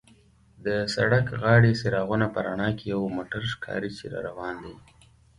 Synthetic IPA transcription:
d̪əsa̰ɽakɣɑɽeseɾɑɣunapəɾaɳɑkejawmoʈaɾʃkʰɑ̰ɾit͡ʃḛɾɑ̰ɾawɑnd̪ij

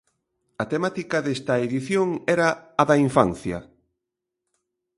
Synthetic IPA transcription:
ɐt̪emat̪ikɐðest̪ɐeðiθjoŋɛɾɐːðɐiɱfa̰nθjɐ̰

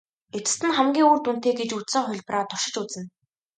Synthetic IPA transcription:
et͡s̪ɘ̥̆st̪ɘ̆nχæmɡʲiːŋuːrt̪un̥t̪eːɡet͡ɕut͡s̪sə̆ŋχʊɮʲpraːt̪ʊʃɪ̆t͡ɕut͡sə̆n

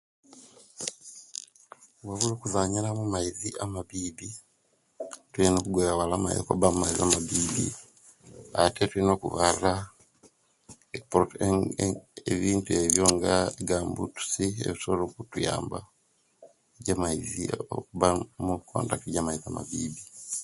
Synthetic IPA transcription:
waβuloːkuzaɲiɾamumaiziʔamaβiːbi | tulinoːkuɡweaβalama̰jo̰ko̰bamumaiziamaβiːbḭ | atʰetulino̞ːkṵβarɾa | eki̥poɾot | eβiːntue̞βjoːŋɡaiɡaːmbṵtu̥siḛβisolokutuja̰ːmba | eɟamaizḭo̰kuβamukʰo̰ːntakiɟamaiziama̰biːbi

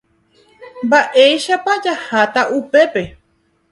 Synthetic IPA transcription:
mbaʔejʃapad͡ʒahat̪aʔupe̞pe̞

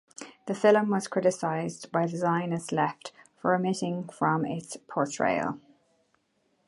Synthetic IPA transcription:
ðəfɪlmwɒz̥kʰɹ̥ɪɾɪsaɪzbaɪðəzãɪ̃nəzlɛftfəɹəmɪɾɪ̃ŋfɹə̃mɪ̰tspʰɔːɹtʰɹ̥ḛɪə̰lˠ

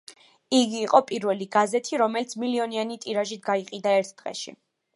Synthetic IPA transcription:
iɡiːqʼɔpʼiɾvɛliɡazɛt̪ʰiɾɔmɛlit̪sʰmiliɔnianit̪ʼiɾaʒit̪̚ʰɡaiqʼid̪aɛɾt̪ʰd̪̥ʁɛ̰ʃḭ

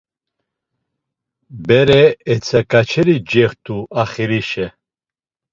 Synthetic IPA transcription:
bɛɾɛːt͡sʰɛkʼat͡ʃʰɛɾid͡ʒɛχt̪ʰʼuaχiɾiʃɛ

